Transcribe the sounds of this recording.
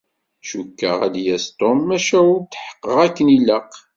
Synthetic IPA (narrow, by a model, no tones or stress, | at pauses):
ʃukːə̰ʁæ̰d̪jæst̪omːæʃæʊɾt̪ħə̥qːəʁækːənilːəq